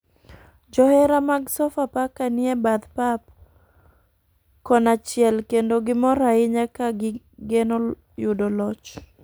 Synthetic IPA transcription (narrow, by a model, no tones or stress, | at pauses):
d͡ʒɔhɛɾamaɡsɔfapakanɪɛbad̪pap | kɔnat͡ʃɪɛlkendoɡɪmɔɾaɪɲakaɡɪ | ɡeno | jʊdolɔt͡ʃ